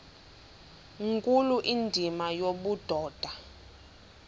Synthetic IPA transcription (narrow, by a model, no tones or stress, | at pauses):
ŋkʼuluʔindʱimajoɓud̥ʱɔːd̥ʱa